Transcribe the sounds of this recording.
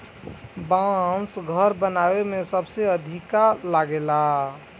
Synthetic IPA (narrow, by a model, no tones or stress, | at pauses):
bãsɡʱəɾbənawemẽsəbseəd̪ʱikalaɡela